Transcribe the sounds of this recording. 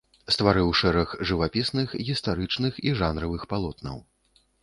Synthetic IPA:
st̪vaɾɨwʂɛɾɐɣʐɨvapʲisnɨxɣʲist̪aɾɨt͡ʂnɨxiʐanɾɐvɨxpalˠɔt̪nɐ̰w

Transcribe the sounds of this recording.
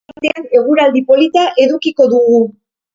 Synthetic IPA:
t̪eane̞ɣ̞uɾald̪ipo̞lit̪aʔe̞ðukiko̞ðuɣu

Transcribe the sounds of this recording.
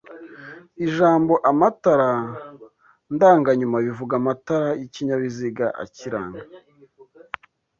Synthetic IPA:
iʒaːmbo̞ʔamataɾa | ndaːŋɡaɲumaβivuɡamataɾajiciɲaβiziɡaʔa̰ciɾa̰ːŋɡa

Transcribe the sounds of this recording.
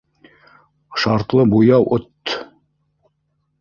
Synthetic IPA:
ʃɑɾt̪lˠɤbujɑwʔot̪ː

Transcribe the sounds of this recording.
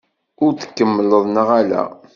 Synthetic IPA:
ʊɾθə̥kːəmːələðˤnəʁælæ̰

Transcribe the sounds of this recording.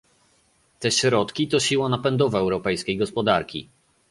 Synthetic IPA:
t̪ɛɕɾɔt̪kʲit̪ɔɕiwanapɛnd̪ɔvɛɛwɾɔpɛjskʲejɡɔspɔd̪aɾkʲḭ

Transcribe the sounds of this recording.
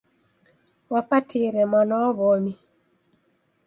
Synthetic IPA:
wapatʰiɾɛmanɔβɔmi

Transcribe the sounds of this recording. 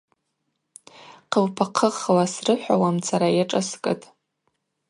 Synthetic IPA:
qʰəlpʰaqʰəχwasrɨħʷᶣawamt͡sʰaɾajaʈ͡ʂʼaskʼɨtʼ

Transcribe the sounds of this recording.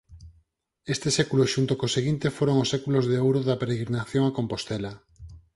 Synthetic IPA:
est̪esekulosʃunt̪okoseɣint̪efoɾoŋosekulozðeowɾoðapeɾeɣɾinaθjoŋakompost̪ela

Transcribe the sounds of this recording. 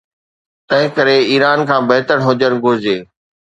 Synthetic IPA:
t̪ɐ̃ɦɪ̃kəɾeiːɾaːnkʰãːbɐɦɪt̪əɽ̃ɦʊd͡ʑəñɡʱʊɾɪd͡ʑeː

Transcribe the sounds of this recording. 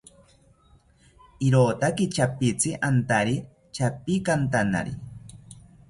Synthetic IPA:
iɾoːt̪akit͡ʃapit͡siʔant̪aɾi | t͡ʃapikant̪ana̰ɾḭ

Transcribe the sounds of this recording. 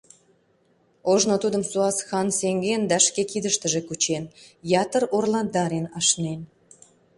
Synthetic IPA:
oʒnot̪ud̪ə̆msuɑsxɑnseŋɡend̪æʃkekid̪əʃt̪əʒekut͡ɕenjɑt̪əɾorlɑnd̪ɑɾenɑʃnen

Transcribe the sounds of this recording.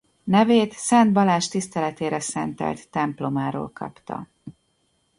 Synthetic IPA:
nɛveːt̪sɛnd̪bɒlaːʃt̪ist̪ɛlɛt̪eːɾɛsɛnt̪ɛ̰lt̪ːɛmplo̞maːɾo̰ːlkʰɒ̰pt̪ɒ̰

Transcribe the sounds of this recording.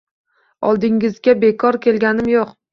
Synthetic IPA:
ɒlˠd̪ɪŋɪzɡʲabe̞kʰɒɾkʲʰe̞lɡʲanɪmjoq

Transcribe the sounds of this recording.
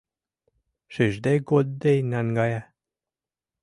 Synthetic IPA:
ʃiʒd̪eɡod̪̚ːejnænɡɑjæ

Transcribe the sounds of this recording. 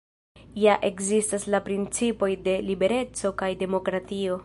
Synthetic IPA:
jaʔe̞kzistaslapɾint͡sipo̞jde̞libe̞ɾe̞t͡so̞kajde̞mo̞kɾatio̞

